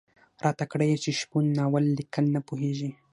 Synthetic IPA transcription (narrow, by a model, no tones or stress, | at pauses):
ɾʔɑːt̪akɽajet͡ʃɪʃpunːɑːwalːikalnapuɦeʒi